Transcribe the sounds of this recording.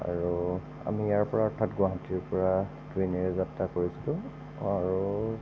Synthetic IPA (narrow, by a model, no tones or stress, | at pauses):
a̰ɹu | a̰mijaɹpɔɹaɔtʰatɡʊwaɦatiɹpɔɹa | dwinɛɹɛzaptakoɹisilʊ̃ | aɹu